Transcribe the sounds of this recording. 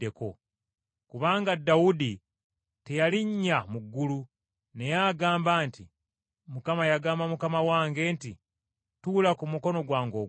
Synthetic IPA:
eko̞ | kuβaːŋɡadːaudi | te̞jaliɲːamuɡːulu | ne̞jaɡaːmbaːnti | mukamajaɡaːmbamukamawaːŋɡe̞ːnti | tulakumuko̞no̞ɡwaːŋɡo̞

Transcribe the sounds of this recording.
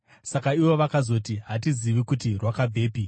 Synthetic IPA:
sakaiʋo̞ʋakazo̞tiɦatiziʋikutirwakabʱe̞ːpi

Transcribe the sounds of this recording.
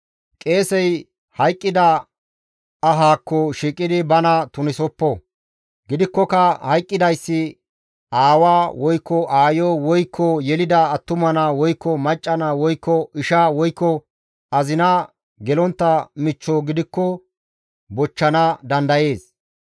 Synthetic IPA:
kʼe̞ːsɛj | hɐjkʼːɪd̪ɐ | ɐɦaːkːɔʃiːkʼːɪd̪ɪbɐnɐt̪ʊnɪsɔpːɔ | ɡɪd̪ɪkːɔkɐhɐjkʼːɪd̪ɐjsːɪ | aːwaːwɔjkːɔʔaːjɔwɔjkʰːɔjɛlɪd̪ɐːt̪ːʊmɐnɐwɔjkːɔmɐt͡ʃʼːɐnɐwɔjkːɔɪʃaːwɔjkːɔ | ɐzɪnɐ | ɡɛlɔnt̪ːɐmɪt͡ʃːoːɡɪd̪ɪkːɔ | bɔt͡ʃːɐnɐd̪ɐnd̪ɐje̞ːs

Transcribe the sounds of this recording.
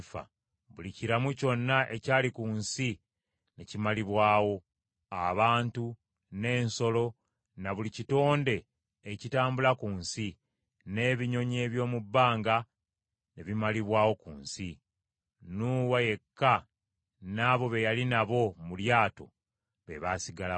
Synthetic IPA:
fa̰ | βuliciɾamuco̞nːaʔe̞caːlikuːnsi | ne̞cimaliβwaːwo̞ | aβaːntu | ne̞ːnso̞lo̞ | naβulicito̞ːnde̞ː | citaːmbulakuːnsi | ne̞ːβiɲo̞ɲe̞ːβjo̞ːmubːaːŋɡa | ne̞βimaliβwaːwo̞kṵːnsi | nuːwaje̞kːa | naːβo̞βe̞jalinaβo̞muljaːto̞̰ | βe̞̰βasiɡala

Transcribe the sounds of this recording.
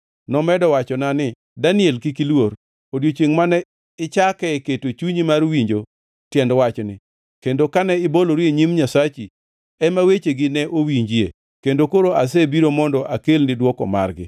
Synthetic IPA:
nɔmɛdɔwat͡ʃɔnanɪ | danɪɛlkikilwor | odjot͡ʃeŋmanɛ | ɪt͡ʃakɛketot͡ʃuɲimarwiɲd͡ʒo | tjɛndwat͡ʃɔnɪ̰ | kendokanɛɪboloɾjeɲimɲasat͡ʃi | ɛmawet͡ʃeɡɪnɛʔowiɲd͡ʒije | kendokoɾoʔas̬ebiɾomɔndɔʔakelnɪdwɔkɔ̰ma̰rɡɪ̰

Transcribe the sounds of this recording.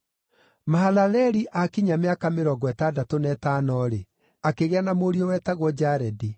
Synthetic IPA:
maɦalalɛɾiʔakiɲameakameɾɔːɡɔɛtadatonɛtanɔɾe | akeɣeanamoɾiɔwɛtaɣwɔd͡ʑaɾɛdi

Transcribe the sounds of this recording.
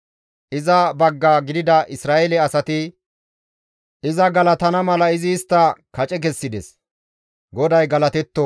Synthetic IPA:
ʔɪzɐbɐɡːaɡɪd̪ɪd̪ɐʔɪsɾaːʔɛlɛɐsɐt̪ɪ | ʔɪzɐɡɐlɐt̪ɐnɐmɐlɐɪzɪːst̪ːɐkɐt͡ʃʼɛk̬ɛsːɪd̪ɛs | ɡɔd̪ɐjɡɐlɐt̪ɛt̪ːɔ

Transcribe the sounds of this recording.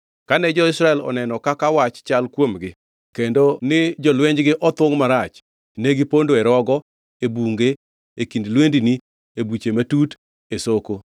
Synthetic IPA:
kanɛd͡ʒɔɪsɾaɛlɔ̰nɛnɔkakawat͡ʃt͡ʃalkwomɡɪ | kendonɪd͡ʒɔlweɲd͡ʒɡɪʔɔt̪woŋmaɾat͡ʃ | neɡɪpondoɛɾɔɡɔ | ebuŋɡe | ekindlwendini | ebut͡ʃematut | esoko

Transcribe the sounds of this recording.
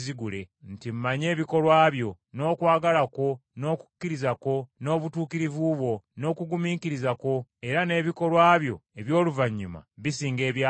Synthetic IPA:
ziɡule̞n̩tim̩maɲe̞ːβiko̞lwaːβjo̞ | no̞ːkwaːɡalako̞no̞ːku̥kːiɾizako̞no̞ːβutuːkiɾivuβwo̞no̞ːkuɡumiːkiɾizako̞e̞ɾane̞ːβiko̞lwaːβjo̞̰e̞βjo̞ːluvaɲːuma̰βisiːŋɡe̞ːβjaː

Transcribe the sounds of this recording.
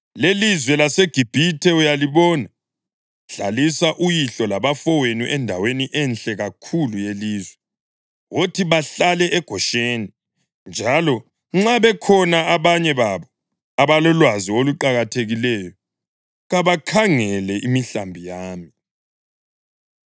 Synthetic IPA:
lelizwɛlaseɡ̥ʱib̥ʱitʰɛujaliβɔːna | ɬalisaʔujiɬɔlaβafɔwenuʔɛndʱaweniʔɛnɬʼɛɣakʰulujeliːzwɛ | wotʰiβaɬalɛʔɛɡ̥ʱɔʃeːni | nd͡ʒʱalɔ | ŋ͡ǁaβɛkʰɔnaaβaɲɛβaβɔ | aβalɔlwazioluǃaɣatʰeɣilɛjɔ | ɣaβakʰaŋɛlɛʔimiɬambʱijaːmi

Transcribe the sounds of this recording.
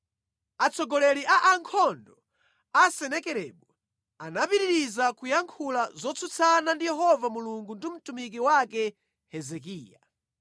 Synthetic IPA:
at͡sʰɔɡɔlɛɾiʔaʔaŋkʰɔndɔ | asɛnɛkɛɾɛ̰ɓɔ | anapiɾiɾizakujaŋkʰulazɔt͡sʰut͡sʰanandijɛɦɔvamuluŋɡundim̩tumik̬iwakɛ | hɛzɛkiːja

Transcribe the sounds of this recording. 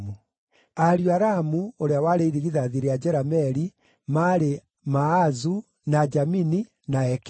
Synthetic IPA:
u | aɾjwaɾamuoɾeawaɾeiɾiɾiðaðiɾead͡ʒɛɾamɛɾi | maɾe | maːzu | nad͡ʒamini | naɛk

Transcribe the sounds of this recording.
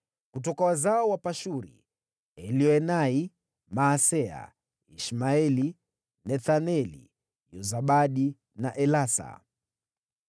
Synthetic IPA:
kut̬ɔkawazaɔwapaʃuɾḭ | ɛliɔɛnai | maːsɛa̰ | iʃmaɛli | nɛθanɛlḭ | jɔzaɓaɗi | naʔɛlasa̰

